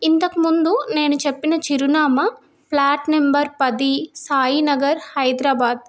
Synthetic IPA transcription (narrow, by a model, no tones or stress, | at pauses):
int̪ɐkimund̪une̞ːnut͡ʃepːinɐt͡ʃiɾunaːmɐ | plaːʈmembɐɾpɐd̪isaːjinɐɡɐɾhɐjd̪ɾaːbaːd̪̚